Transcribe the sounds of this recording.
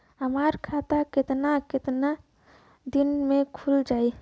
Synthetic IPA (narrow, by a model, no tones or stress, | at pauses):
ɦəmaɾkʰat̪akɪt̪nakɪt̪na | d̪inmekʰuld͡ʒaːi